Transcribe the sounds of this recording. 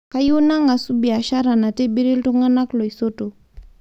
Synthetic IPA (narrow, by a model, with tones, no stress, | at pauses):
ka˦ju˦na˦ŋa˨su˦bi˨a˨ʃa˦ɾa˨na˨te˦bi˦ɾi˦ltu˦ŋa˦na˦klo˨i˨so˦to˨